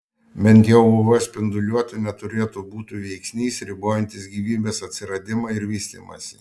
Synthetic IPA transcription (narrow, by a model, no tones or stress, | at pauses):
bʲɛnʲt̪ʲjɛʊʊʋɐsʲpʲɪnd̪ʊlʲuɔt̪ʲɪnʲɛt̪ʊɾʲeːt̪ubuːt̪ʲuːʋʲɛɪksʲnʲiːsɾʲɪboːjɛnʲt̪ʲɪsɡʲiːʋʲiːbʲeːsɐt̪ʲsʲɪɾɐd̪ʲɪmɐɪɾʋʲiːsʲt̪ʲɪ̰mɐ̰sʲḭ